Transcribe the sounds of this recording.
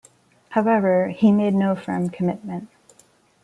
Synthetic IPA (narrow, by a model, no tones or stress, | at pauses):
haʊɛvə˞imeɪdⁿnoʊfɜ̰̃˞mkʰɨmɪt̚mɨ̃nt̚